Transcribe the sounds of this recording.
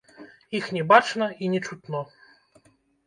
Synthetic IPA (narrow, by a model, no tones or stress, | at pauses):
ixnʲɛbat͡ʂnɐinʲɛt͡ʂut̪nɔ